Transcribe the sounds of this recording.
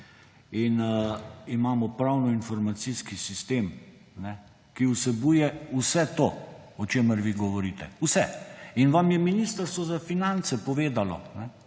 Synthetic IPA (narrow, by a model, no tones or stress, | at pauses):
in | imaːmɔpɾawnɔinfɔɾmat̪siskisist̪eːm | nɛ | kiusɛbuːjɛusɛt̪oɔt͡ʃeːməɾʋiɡɔʋɔɾiːt̪ɛusɛinʋamjɛminiːst̪əɾst̪ʋɔzafinant̪sɛpɔʋeːd̪alɔ̰nɛ